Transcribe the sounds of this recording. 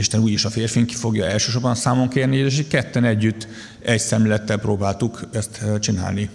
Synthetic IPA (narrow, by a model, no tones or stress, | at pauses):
iʃt̪ɛnuːjiʃɒfeːrfiŋki̥fo̞ɡjɒɛlʃøːʃo̞rbɒnsaːmoŋkeːrnieʃ̬eckɛt̪ːɛnɛɟːyt̪ː | ɛɟsɛmlɛlɛt̪ːɛlproːbaːlt̪ukɛst̪t͡ʃina̰ːlni